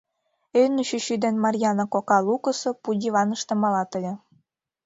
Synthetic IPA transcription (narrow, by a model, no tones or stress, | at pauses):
ønəɕyɕyd̪enmɑrʲjɑnokokɑlukə̆sŏpudʲiβɑnə̆ʃt̪ɤ̆mɑlɑt̪ə̆lʲĕ